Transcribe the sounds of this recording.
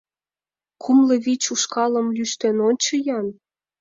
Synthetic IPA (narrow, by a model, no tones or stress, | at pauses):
kʰumlɤ̆βit͡ɕuʃkɑlə̆mlyʃt̪enonʲt͡ɕɤ̆jɑn